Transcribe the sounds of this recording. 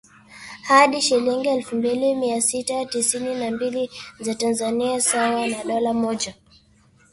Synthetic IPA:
haɗiʃiliŋɡiɛlfumbilimiasitatisininambilizatanzaniasawanaɗɔlamɔʄa

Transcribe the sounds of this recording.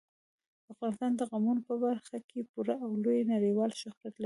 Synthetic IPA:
afɣɑnɪst̪ɑnd̪əɣamunopəbaɾxakʰepuɾaʔawlojnaɽiwɑlʃʊxɾjat̪laɾi

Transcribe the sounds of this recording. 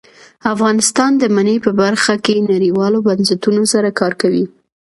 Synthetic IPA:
afɣɑnɪst̪ɑnd̪əmanepəbaɾxakenaɾiwɑlobansat̪unosaɾakɑɾkawi

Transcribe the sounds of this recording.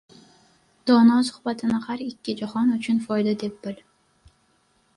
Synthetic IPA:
d̪̥ɒnɒsʊ̥hbat̪ʰɪnɪhaɾɪkʲːɪd͡ʒahɒnʊt͡ʃʰʊnfɒjd̪ad̪e̞p̚b̥ɪl

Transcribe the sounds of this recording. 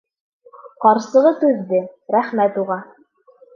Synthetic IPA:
qɑɾsɤ̆ʁɤsʉðːɘɾæχmæt̪uʁɑ

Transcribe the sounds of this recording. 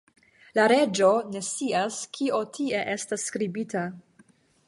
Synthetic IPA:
laɾe̞d͡ʒo̞ne̞siaskʰio̞tʰie̞ʔe̞stasːkɾibita

